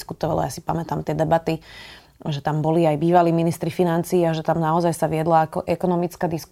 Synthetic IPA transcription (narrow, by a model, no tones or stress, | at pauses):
skut̪ɔʋa̰lɔ̰jasi̥pamɛt̪amt̪ɪɛd̪ɛbat̪i | ʒɛt̪ambɔliajbiːʋaliːminist̪ɾifinant͡siːaʒɛt̪amnaɔzajsaʋɪɛd̪laakɔʔɛkɔnɔmit͡skaːd̪isk